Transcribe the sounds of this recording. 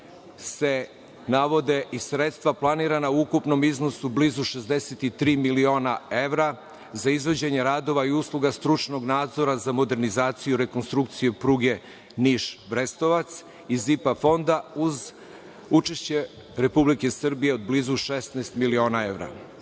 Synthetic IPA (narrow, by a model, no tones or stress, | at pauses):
se̞ | naʋo̞d̪e̞ʔisɾet̪st̪vʋaplˠaniːɾanauukupno̞miznosublizuʃezd̪eset̪it̪ɾiːmilio̞ːnae̞ʋɾa | zaizʋo̞d͡ʑeɲeɾad̪o̞ʋaiuslˠuɡast̪ɾut͡ʃno̞ɡnaːd̪zo̞ɾazamo̞d̪e̞ɾnizaːt̪sijuɾe̞ko̞nst̪ɾuk̚t̪sijepɾuɡe̞ | niʃʋɾest̪o̞ʋat̪s | izipafo̞nd̪auz | ut͡ʃeʃt͡ɕe̞ | ɾe̞publike̞sr̩bijeod̪̚bliːzuʃesnaɛst̪milio̞ːnae̞vɾa̰